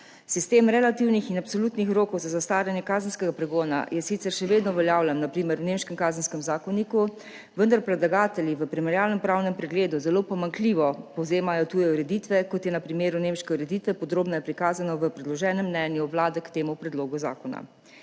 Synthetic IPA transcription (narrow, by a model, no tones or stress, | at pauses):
sist̪eːmɾɛlat̪iwnixinapsolut̪nixɾoːkɔwzazast̪aːljanjɛkaːzənskɛɡapɾɛɡoːna̰jɛsit̪sɛɾʃɛʋeːd̪nɔʋɛljaːwlɛnnapɾiːmɛɾwnemʃkɛmkaːzənskɛmzaːkɔniku | ʋənd̪aɾpɾɛd̪laɡaːt̪ɛljiʋəpɾimɛɾjaːlnɛmpɾawnɛmpɾɛɡleːd̪uzɛloːpɔmaŋkliːʋɔpɔwzeːmajɔt̪uːjɛuɾɛd̪it̪ʋɛkɔt̪jɛnapɾimeːɾunemʃkɛuɾɛd̪it̪ʋɛpɔd̪ɾoːbnɔjɛpɾikaːzanɔʋəpɾɛd̪lɔʒɛːnɛmːnɛːnjuʋlaːd̪ɛkt̪eːmupɾɛd̪loːɡuza̰ːkɔna̰